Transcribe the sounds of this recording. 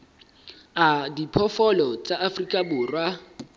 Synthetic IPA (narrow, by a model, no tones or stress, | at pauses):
adipʰɔfɔlɔt͡sʼaʔafrikʼabʊːrwa